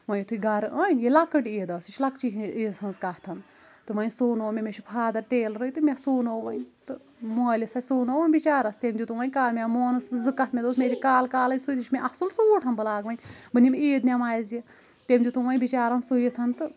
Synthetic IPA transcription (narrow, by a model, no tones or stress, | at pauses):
ʋɐnjit̪ʰuiɡɐɾɨɐːnjelɐkɨʈeːd̪ɐːsit͡ʃʰlɐkt͡ʃiɦiːzhɐnzkɐht̪ʰɐn | t̪ɨʋɐnsoːnoːmʲemet͡ʃʰupʰaːd̪ɐɾʈeːlɾɨit̪ɨmʲesuːnoːʋɐnt̪ɨ | moːlʲisajʲsuːnoːʋɐnʲbit͡ʃaːɾɐst̪emʲd̪ʲut̪uʋɐnʲkaːmʲamoːnɨszɨkːɐt̪mʲed̪oːsmʲeːɾʲikaːlkaːlɐjʲsujt̪it͡ʃʰmʲeʔɐsɨlsuːʈʰɐnbɨlaːɡʋɐnbɨnʲimiːd̪nʲamaːjzji | t̪emʲd̪ʲut̪uʋɐnbit͡ʃaːɾɐnsujit̪ʰɐnt̪ɨ